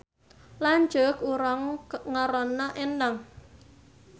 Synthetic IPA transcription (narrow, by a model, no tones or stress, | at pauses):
laɲd͡ʒʊkuɾaŋkŋaɾɔnːaʔendaŋ